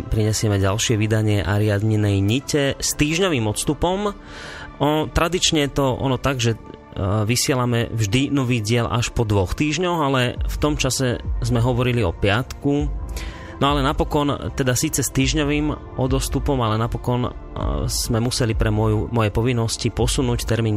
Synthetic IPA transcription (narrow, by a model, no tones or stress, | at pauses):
pɾiɲɛsɪɛmɛɟalʃɪɛʋid̪aɲɪɛʔaɾɪad̪ɲinɛjɲicɛst̪iːʒɲɔʋiːmɔt̪st̪upɔm | ɔt̪ɾad̪it͡ʃɲɛjɛt̪ɔʔɔ̰nɔt̪aɡʒɛ | ʋisɪɛlamɛvʒd̪inɔʋiːɟɪɛlʔa̰ʃpɔd̪ʋɔxt̪iːʒɲɔɣalɛft̪ɔmt͡ʃasɛzmɛɦɔʋɔɾiliɔpɪat̪ku | nɔalɛnapɔkɔnt̪ɛd̪asiːt͡sɛst̪iːʒɲɔʋiːm | ʔɔd̪ɔst̪upɔmalɛnapɔkɔn | z̥mɛmusɛlipɾɛmɔjumɔjɛpɔʋinːɔscipɔsunuːct̪ɛɾmiːn